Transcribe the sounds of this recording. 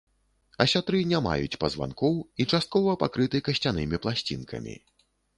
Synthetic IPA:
ɐsʲat̪ɾɨnʲama̰jut͡sʲpɐzva̰nkɔwit͡ʂast̪̚kɔvɐpakɾɨt̪ɨkɐsʲt͡sʲanɨmʲiplˠasʲt͡sʲḭnkʰɐ̰mʲḭ

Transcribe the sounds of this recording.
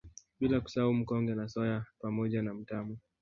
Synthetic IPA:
ɓilaku̥saaum̩kɔŋɡɛnasɔjapamɔʄanam̩tamu

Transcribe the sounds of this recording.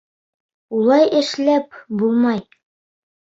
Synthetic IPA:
ulˠɑjɘ̆ʃlæp̚bulˠmɑj

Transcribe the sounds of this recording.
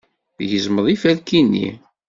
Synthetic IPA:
ʝəzməðˤifælkinːḭ

